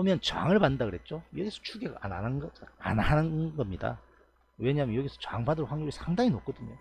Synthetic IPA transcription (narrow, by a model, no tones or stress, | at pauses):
ʌmjʌnt͡ɕa̰ŋɯɭbandaɡɯɾɦe̞t̚t͡ɕ͈ojʌɡesʰʌt͡ɕʰuɡeɡa̰anananɡʌa̰nanɯnɡʌmɲida̰ | weɲaɦmjʌnjʌɡesʰʌt͡ɕaaŋbadɯɾɸwaŋjoɡisʰaŋdaŋinok͈̚ʌdɯɲo̰